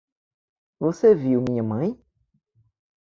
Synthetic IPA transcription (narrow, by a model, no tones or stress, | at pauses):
voseviwmĩɲɐmɐ̃j̃